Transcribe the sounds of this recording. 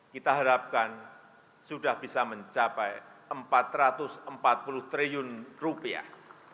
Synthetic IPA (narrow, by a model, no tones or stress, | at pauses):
kit̪aɦaɾap̚kan | sudahb̥isaməɲt͡ʃapɛjəmpat̪rat̪ʊsəmpat̪̚pulʊht̪ɾijʊnrupia̰h